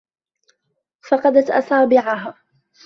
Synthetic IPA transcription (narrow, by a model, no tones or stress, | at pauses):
fɑqɑd̪at̪ʔɑ̰saːbɪʕaɦa